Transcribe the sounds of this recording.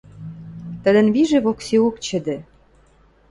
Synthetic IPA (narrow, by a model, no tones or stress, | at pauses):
t̪ə̆d̪ə̆nβiʒeβokseokt͡ɕə̆d̪ĕ